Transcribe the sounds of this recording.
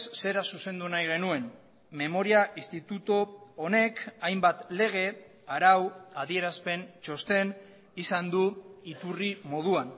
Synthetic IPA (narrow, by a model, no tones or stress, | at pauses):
sse̞ɾasuse̞nd̪unajɣ̞e̞nue̞n | me̞mo̞ɾiaʔist̪it̪ut̪oone̞kajmbat̪le̞ɣ̞e̞ | aɾawað̞ie̞ɾaspe̞nt͡ʃo̞st̪e̞n | isand̪uit̪urimo̞ð̞uan